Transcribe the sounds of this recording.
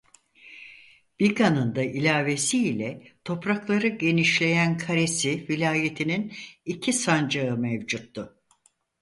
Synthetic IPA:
b̥ikanɯnd̪aʔilʲaːvesiːlʲɛt̪ʰo̞pɾaklˠaɾɯɟe̞niʃlʲe̞jænkʰaɾe̞sivilʲaːje̞t̪ʰininicʰisand͡ʒaɯmevd͡ʒut̪ːʊ

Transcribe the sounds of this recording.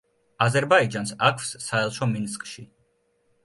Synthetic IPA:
azɛɾbaid͡ʒansakʰfsːaɛlˠʃɔminskʼʃi

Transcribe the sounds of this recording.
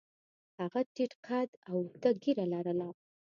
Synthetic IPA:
haɣaʈiʈqʰad̪awd̪aɡiɾalaɾəla

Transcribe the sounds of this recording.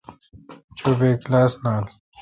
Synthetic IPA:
t͡ɕobeːklaːsnaːl

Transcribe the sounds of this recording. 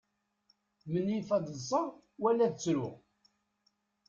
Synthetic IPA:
mənːifæd̪ˤəsˤɑɾˤ | wælːæðt͡sːɾʊ

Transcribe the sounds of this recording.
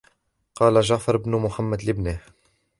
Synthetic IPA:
qɑːlaʒaʕfɑɾˤɪbnʊmʊħamːad̪lɪbnaːh

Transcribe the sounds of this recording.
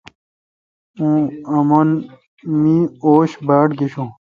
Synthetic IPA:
ũɐmon | mĩoːɕbaːʈɡiɕũː

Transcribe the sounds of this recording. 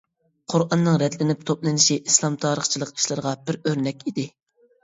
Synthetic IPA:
qʰʊɾɑnːɨŋɾɛd̪lɪnɪp̚t̪ʰoplˠɨnɪʃiʔislˠɑmt̪ʰɑːɾəχt͡ʃʰilˠəqi̥ʃlˠɨɾəʁɑb̥ɪɾøɾnɛkʲid̪ɪ

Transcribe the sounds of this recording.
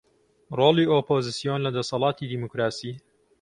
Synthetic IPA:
roːliːʔoːpoːzɨsijonlɐd̪ɐsɑlˠɑːt̪ʰid̪iːmukɾaːsiː

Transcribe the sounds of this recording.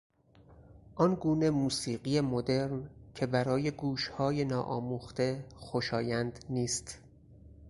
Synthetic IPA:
ʔɒnɡuːne̞muːsiːɢijemod̪e̞ɾncʰe̞bæɾɒːje̞ɡuːʃhɒːjenɒːʔɒ̰ːmuːxt̪e̞xoʃɒːjænd̪niːst̪

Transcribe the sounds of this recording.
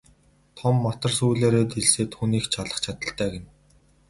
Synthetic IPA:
t̪ʰɔmːat̪ə̆rsuːɮeːɾeːt̪eɮseːt̪xuniːxt͡ɕʰaɮə̆χt͡ɕʰat̪ə̆ɬt̪æːɡen

